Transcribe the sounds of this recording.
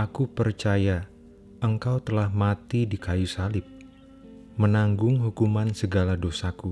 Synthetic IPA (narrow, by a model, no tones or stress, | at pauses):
akupərt͡ʃaja | ʔəŋkawt̪əlahmat̪idikajusalɪp̚ | mənaŋɡʊŋɦukumansəɡaladosaku